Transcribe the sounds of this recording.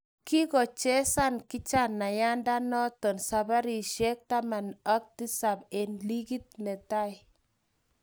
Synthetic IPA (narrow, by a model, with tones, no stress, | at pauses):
ki˦kɔ˨t͡ʃɛ˦sa˦nkɪ˦t͡ʃa˦˨nːa˨ja˦nda˦nɔ˦tɔ˨nsa˨ba˦ɾi˨ʃɛ˦k̚ta˦ma˨nɔ˦k̚ti˦sa˨be˨nli˦ki˦t̚nɛ˨ta˦j